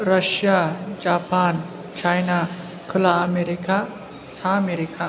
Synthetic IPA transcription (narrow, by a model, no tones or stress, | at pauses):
ɾɐʃjad͡ʒaːpan | t͡ʃʰajna | kʰulaːmeɾika | sameɾikʰa